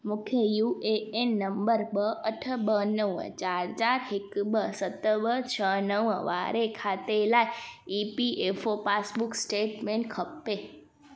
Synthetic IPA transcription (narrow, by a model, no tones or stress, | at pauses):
mukʰjəjueenːəmbəɾbəəʈʰəbənəʋə̰t͡ʃaɾt͡ʃaɾɦekbəsət̪ːəbət͡ʃʰənəʋəʋa̰ɾekʰat̪elaipiefopasbuksʈeʈmeɳʈkʰəpːe